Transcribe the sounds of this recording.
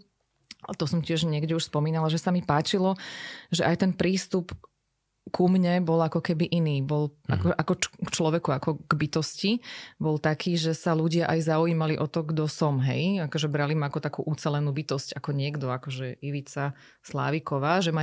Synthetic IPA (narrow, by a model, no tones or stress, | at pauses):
at̪ɔsɔmcɪɛʒɲɪɛɡɟɛuʃspɔmiːnalaʒɛsamipaːt͡ʃilɔʒɛʔajt̪ɛnpɾiːst̪up | kumɲɛbɔlakɔkɛbiʔiniːbɔlʔa̰kɔʔakɔkt͡ʃlɔʋɛkuakɔɡ̥bit̪ɔscibɔlt̪akʰiːʒɛsaluɟɪaʔajzaujiːmaliʔɔt̪ɔɡd̪ɔsɔmɦɛ̰jakɔʒɛbɾalimaakɔt̪akṵːʔut͡sɛlɛnuːbit̪ɔscakɔɲɪɛɡd̪ɔakɔʒɛiʋit͡sa | sla̰ːʋikɔʋaːʒɛma